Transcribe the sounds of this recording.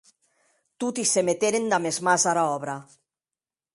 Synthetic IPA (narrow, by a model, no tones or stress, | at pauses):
t̪ut̪isemet̪eɾend̪amezmazaɾaɔβɾa